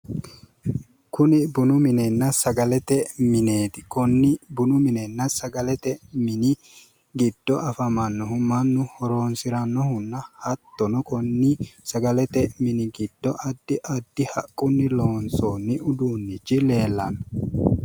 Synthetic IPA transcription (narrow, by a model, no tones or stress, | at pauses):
kʊnɪbʊnʊmɪnɛnːɐsɐɡɐlɛt̪ɛmɪneːt̪ɪ̥kɔnːɪbʊnʊmɪnɛnːɐsɐɡɐlɛt̪ɛmɪnɪ | ɡɪd̪̥ːɔʔɐfɐmɐnːɔɦʊmɐnːʊhɔɾoːnsɪɾɐnːɔhʊnːɐhɐt̪ːɔnɔkɔnːisɐɡɐlɛt̪ɛmɪnɪɡɪd̪̥ːɔʔɐd̪ːɪʔɐd̪ːɪhɐkʼːʊnːɪlo̞ːnsoːnːɪʊd̪uːnːɪt͡ʃːɪle̞ːlːɐnɐ